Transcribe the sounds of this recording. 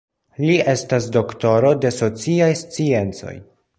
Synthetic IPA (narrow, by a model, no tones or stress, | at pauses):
liʔe̞stas̬do̞kto̞ɾo̞de̞so̞t͡siajst͡sie̞nt͡so̞̰j